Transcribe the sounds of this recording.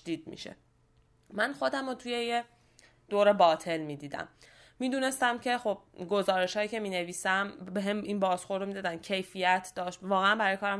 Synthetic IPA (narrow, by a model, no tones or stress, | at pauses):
d̪iːd̪̚mḭʃḛ | mænxo̞d̪æmot̪ʰuje̞je | d̪̥oːɾe̞bɒːt̪ʰe̞lmiːd̪iːd̪æ̰mːiːd̪uːne̞st̪æmcʰe̞xob̥̚ɡo̞zɒːɾe̞ʃhɒːjiːce̞miːneviːsæmbeɦeminbɒːzxo̞ɾd̪omid̪ɒːd̪æncʰe̞jfijæt̪ʰd̪ɒːʃt̪vɒːɣeænbæɾɒːjekɒːɾæ